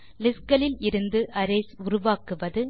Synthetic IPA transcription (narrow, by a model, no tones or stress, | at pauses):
lɪskɐlɪlɪɾɯnd̪ɯʔɐɾɛːsʊɾʊʋaːkɯʋɐðɯ